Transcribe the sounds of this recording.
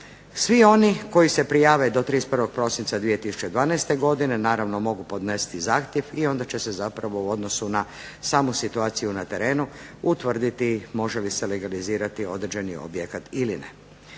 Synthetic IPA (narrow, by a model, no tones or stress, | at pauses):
sʋio̞niko̞jisepɾijaːʋed̪o̞t̪ɾisprʋo̞ɡ̥̚pɾo̞sint̪sad̪ʋije̞t̪isu̥t͡ʃe̞d̪ʋaːnajst̪e̞ɡo̞d̪ine̞naːɾaʋno̞mo̞ɡupo̞d̪ne̞si̥t̪izaːxt̪je̞ʋio̞nd̪at͡ɕe̞se̞zapɾaʋo̞uo̞d̪no̞suna | saːmusit̪uaːt̪sijunat̪e̞ɾe̞ːnuut̪ʋr̩d̪it̪imo̞ʒeliseleɡaliziːɾat̪io̞d̪ɾed͡ʑe̞nio̰bjekat̪ilinḛ